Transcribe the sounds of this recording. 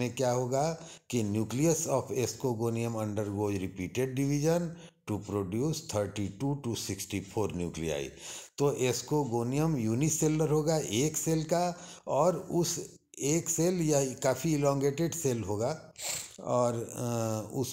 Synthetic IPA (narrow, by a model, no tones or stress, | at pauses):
ẽkjaɦoːɡakinjuːklijəsɔːpʰeːskoɡoːnijəmɐ̃ɳɖəɾɡoːd͡ʒɾɪpiːʈeɖ̚ɖɪʋid͡ʒən | ʈupɾoːɖjuːst̪ʰəɾʈiʈuʈusɪksʈipʰoːɾnjṵːklḭa̰ːḭt̪oʔeːskoɡoːnijəmjuːniseːləɾɦoːɡaʔeːkseːlkaɔːɾʊs | eːkseːljakaːfiɪlɔ̃ːŋɡeːʈeɖseːlɦoːɡa | ɔːɾ | ʊ̰s